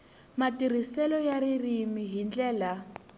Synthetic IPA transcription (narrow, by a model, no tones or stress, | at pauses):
matʼir̤isɛlɔjaririmiɦind͡ɮɛːla